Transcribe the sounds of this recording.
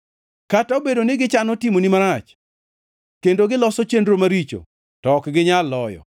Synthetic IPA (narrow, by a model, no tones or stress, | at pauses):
kataobedonɪɡɪt͡ʃanɔtimonimaɾat͡ʃ | kendoɡɪlɔsɔt͡ʃendɾomaɾit͡ʃo̰ | tɔkɡɪɲalːɔjɔ̰